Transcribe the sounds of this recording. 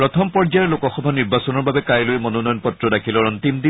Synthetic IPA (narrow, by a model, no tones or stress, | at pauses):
ɹɔt̪ʰɔmpɔɹd͡ʒaɛɹlokɔxɔbʱaniɹbasɔnɔɹbabɛkajlojmɔnɔnɔjɔnpɔtɹɔdakʰilɔɔnt̪imd̪i